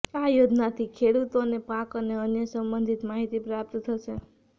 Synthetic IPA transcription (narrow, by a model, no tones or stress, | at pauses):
ajod͡ʒnat̪ʰikʰeɽut̪onepãkəneənjəsəmbənd̪ʱit̪maɦit̪ipɾap̚t̪t̪ʰəʃe